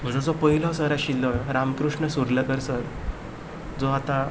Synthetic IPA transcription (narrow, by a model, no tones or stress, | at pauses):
m̤ə̃d͡zɔ̃d͡zɔpəɦilɔsəɾaɕilːɔjɾamkɾuʂɳəsuɾləɡəɾsəɾ | d͡zɔat̪ã